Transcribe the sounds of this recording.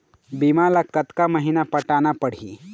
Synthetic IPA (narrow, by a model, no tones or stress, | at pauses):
bimalakət̪kaməɦinapəʈanapəɽ̤ḭ